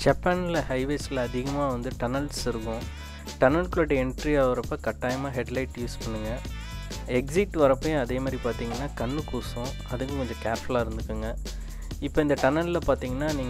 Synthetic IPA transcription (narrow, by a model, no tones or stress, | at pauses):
d͡ʒɐpːɐnɪlɐhɐɪʋeːsɪlɐːðɪɣɐmaːʋɐnd̪ɯʈɐnɐlsɪɾɯkːʊ̃ | ʈɐnɐlkloːʈːɛɳʈɾiaːʋɐɾɐpːɐːkɐʈːaːjɐmaːɦɛɖlɐɪʈjuːspɐɳːɯŋɡɐ | ɛksɪʈːʋɐɾɐpːɐːjʊ̃ɐðeːmaːd̪ɾipaːɾt̪iːŋɡɐnːaːkɐɳːɯkuːsʊ̃ | ɐðɯkːɯ̃kɔɲd͡ʒɐkaːɾflaːɪɾɯnd̪ɯkːɯŋɡɐ | ɪpːoːɪnd̪ɐʈɐnɐlɪlɐpaːɾt̪iːŋɡɐnːaːniːŋ